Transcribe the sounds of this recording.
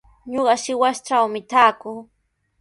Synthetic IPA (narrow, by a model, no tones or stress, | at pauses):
ɲoɢɑʃɪwast͡ʃawmɪt̪aːkʊː